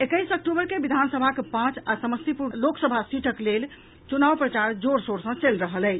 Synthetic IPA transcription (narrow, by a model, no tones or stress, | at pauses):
ekəjsək̚ʈubəɾkebid̪ʱansəbʱakepãt͡ʃasəməst̪ipuloksəbʱasiʈʰəklel | t͡ʃunawpɾət͡ʃaɾd͡ʒoɾsoɾsə̃t͡ʃelɾəɦələjt͡ʃ